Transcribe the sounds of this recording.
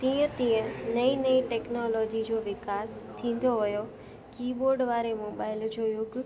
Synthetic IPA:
t̪ĩə̃t̪ĩːə̃nəinəiʈeknɔlɔːd͡ʒid͡ʒoʋɪkaːst̪ʰĩːn̆d̪oɦəjo | kiːboɾɖʋaːɾemoːbaɪld͡ʒojũk

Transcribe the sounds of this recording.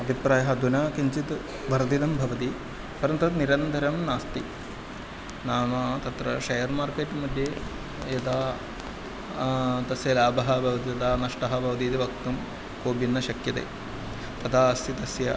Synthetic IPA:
ɐbʱipɾaːjɐɦɐd̪unaːkiɲt͡ʃit̪ | ʋɐɾd̪id̪ɐmbʱɐʋɐt̪i | pɐɾɐnt̪ɐt̪niɾɐnd̪ʱɐɾɐmnaːst̪i | naːmaːt̪ɐt̪ɾɐʃɐjɐɾmaːɾkeːʈːmɐd̪ʱje | ed̪aː | t̪ɐsjɐlaːbɐɦɐbʱɐʋɐt̪it̪ɐd̪aːnɐʂʈɐɦɐbʱɐʋɐt̪̬iːt̪iʋɐk̚t̪um | koːbinːɐʃɐkjɐt̪ḛː | t̪ɐt̪ʰaːɐst̪it̪ɐsjɐ

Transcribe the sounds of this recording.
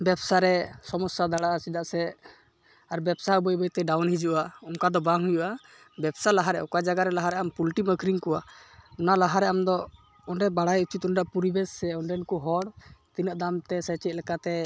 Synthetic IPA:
bɛbsaɾɛsɔmɔsad̪aɽaʔasid̪aʔsɛ | aɾbɛbsaubəjbəjt̪ɛɖawnhid͡ʒuʔaɔŋkad̪ɔbaŋɦujuʔa | bɛbsalaɦaɾɛ̰ʔɔkad͡ʒaɡaɾɛlaɦaɾɛʔampulʈiməkɾiŋkɔwaɔnalaɦaɾɛʔamd̪ɔ | ɔnɖɛbaɽajut͡ʃit̪ɔnɖaʔpuɾibɛsɛɔɳɖɛnkuɦɔɽt̪inəʔd̪amt̪ɛsɛt͡ʃɛt̪̚ˀlɛkat̪ɛ

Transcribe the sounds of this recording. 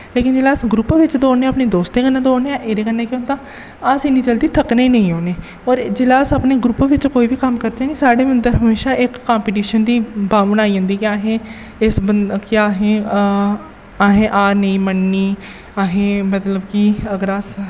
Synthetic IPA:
leːkɪnd͡ʒeːlaːsɡɾupːʋɪt͡ʃd̪oːneːaːpneːd̪oːst̪eːkənːãːd̪oːneaːʔeɾeːkənːẽːkent̪ãː | aːsɪnĩːt͡ʃəld̪iːt̪ʰəkneiːnəĩːoːneː | ɔːɾd͡ʒeːlaːsapneːɡɾupːʋɪt͡ʃkoːiːʋiːkəmkəɾd͡ʒaːniːsaːɽeːmənd̪əɾɦəmeːʃaːʔɪkːaːmpiːʈiːʃənd̪iːbaːbənaːiːə̃nd̪iːkɪaːɦẽː | ɪsəkɪaːɦẽː | aːɦẽːʔaːnəĩːmənːiː | aːɦẽːmət̪ləbkiəɡəɾaːs

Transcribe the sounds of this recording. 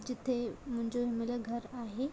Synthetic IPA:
d͡ʑit̪ʰem̤əɳd͡ʑoɦimeləɡʱəɾaɦe

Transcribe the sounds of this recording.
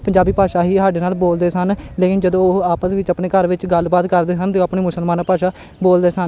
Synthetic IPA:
pəɲd͡ʒaːbiːpaːʃaːɦiːɦaːɖeːnaːlboːld̪eːsənleːkɪnd͡ʒəd̪õːaːpəsʋɪt͡ʃəpneːkəɾʋɪt͡ʃɡəlbaːt̪kəɾd̪eːsənt̪eaːpɳeːmʊsəlmaːnaːpaːʃaː | boːld̪eːsən

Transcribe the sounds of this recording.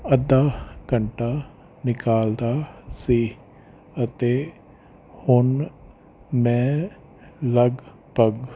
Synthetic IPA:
ɐd̪aɡəɳʈa | nɪkaːld̪asi | ət̪e | hʊn | mẽ | lɐɡ | pɐɡ

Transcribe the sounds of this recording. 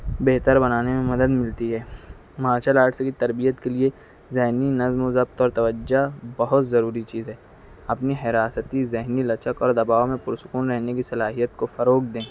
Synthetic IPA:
beɦt̪əɾbɐnaːnemẽmɐd̪əd̪mɪlt̪iɦɛː | maːʃəlaːɾʈʰsekit̪ɐɾbijət̪kelie | zeɦninɐzmozɐb̚t̪ɔːɾt̪ɐʋəd͡ʒabɐɦʊt̪zɐɾuːɾit͡ʃiːzɦɛː | ɐpniɦɪɾaːsət̪izɛɦnilɐt͡ʃəkɔːɾd̪ɐbaːʋomẽpʊɾsʊkuːnɾɛɦnekisɐlaːɦijət̪kofɐɾoːk̚ʰd̪ẽː

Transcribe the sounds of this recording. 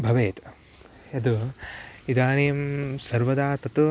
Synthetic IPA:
bʱɐʋeːt̪ | ɐd̪u | id̪aːnijɐmsɐɾʋɐd̪aːt̪ɐt̪u

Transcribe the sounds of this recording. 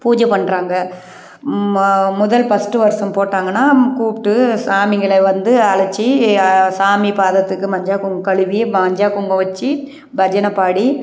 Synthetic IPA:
puːd͡ʒɐpɐɳːɾaːŋɡɐ | mʊðɐlpɐsʈɯʋɐɾsɐmpoːʈːaːŋɡɐnːaːkuːpʈːɯsaːmɪŋɡɐɭɐʋɐnd̪ɯɐɭɐt͡ʃːisaːmipaːðɐt̪ːɯkːɯmɐɲd͡ʒaːkʊŋɡkɐɭɯʋiɐɲd͡ʒaːkʊŋɡɐʋɐt͡ʃːi | bɐd͡ʒɐnɐpaːɽi

